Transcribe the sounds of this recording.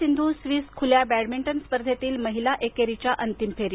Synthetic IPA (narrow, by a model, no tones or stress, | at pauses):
ind̪ʱusʋiːskʰuljabæɽmiɳʈənspəɾd̪ʱet̪iːlməɦilaʔekeɾit͡ɕjaʔənt̪impʰeɾi